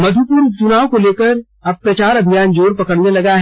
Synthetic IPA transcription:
mɐd̪ʱupuːɾt͡ʃʊnaːokoleːkəɾ | ɐb̚pːɾɐt͡ʃaːɾɐbʱijaːnd͡ʒoːɾpɐkəɾnelɐɡaɦɛ

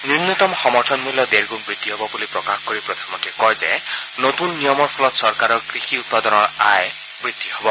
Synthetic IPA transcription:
niɾnut̪ɔmxɔmɔɾtʰɔnmuljɔd̪eɾɡuk̚bɾid̪ʱːiɦobɔbulipɾɔkaxkɔɾipɾɔd̪ʱanmɔnt̪ɾikɔjd͡ʒe | not̪unːijɔmɔɾpʰɔlɔt̪sɔɾkaɾɔɡɾixiut̪̚pad̪ɔnɔɾae | bɾid̪ʱːiɦobɔ

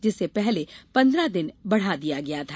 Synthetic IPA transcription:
d͡ʒɪsːepɛɦlepɐ̃nd̪ɾad̪ɪnbɐɽ̤ad̪ijaɡɐjat̪ʰaː

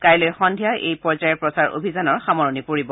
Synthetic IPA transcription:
kajlojxɔndʱijaʔḛjpɔɹzajɔɹpɹɔsaɹʔo̰bʱizanɔɹxamɔɹɔnipoɹibɔ

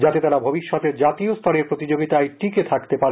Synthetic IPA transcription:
d͡ʑat̪et̪aɾabʱobiʃːɔt̪eɾd͡ʑat̪iost̪ʰaneɾpɾot̪id͡ʑoɡit̪ajʈiket̪ʰakt̪epaɾe

